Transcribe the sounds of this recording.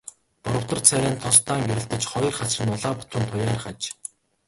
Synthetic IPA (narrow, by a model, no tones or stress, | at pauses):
pɔɾɞ̆w̥t̪ə̆rt͡sʰæɾʲæːnt̪ʰɔst̪aːŋɡeɾɘ̆ɬt̪ɘ̆t͡ɕχɔj̆rχat͡srɘ̆nʊɮaːpʊt̪rə̆nt̪ʰʊjaːrχat͡ɕ